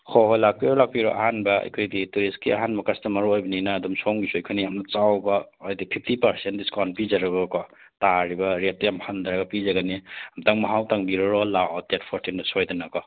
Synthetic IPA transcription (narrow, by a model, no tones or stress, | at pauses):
kʰɔɦojlak̚piɾɔlak̚piɾɔʔa̰ɦanbɐɐ̰jkʰojdituɾiskḭʔa̰ɦanbɐkɐstɐmɐɾojbɐninaːdɔmsomɡisuɐjkʰojnijamnɐt͡ʃawbɐojdipʰipʰtipɐɾsentdiskan̚pizaɾɐɡɔkɔ | taɾibɐɾet̚tɐjamhand̪aɾaɡɐpizaɡaniamtaŋmaɦawtaŋbiɾɔɾɔlaʔɔtetpʰoɾtindɐsojdɐnakɔ